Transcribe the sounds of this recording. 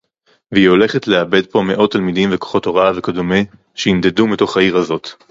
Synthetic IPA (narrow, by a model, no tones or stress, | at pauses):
veio̞le̞χetleabe̞d̚po̞me̞ʔo̞tːalmidimveko̥χo̞to̞ʁavekodome | ʃeind̪e̞dumito̞χhaiʁazo̞t